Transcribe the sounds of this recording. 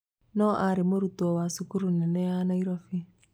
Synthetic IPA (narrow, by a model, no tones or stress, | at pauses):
nɔʔaɾemoɾutɔwasukuɾunɛnɛjanɔiɾɔfi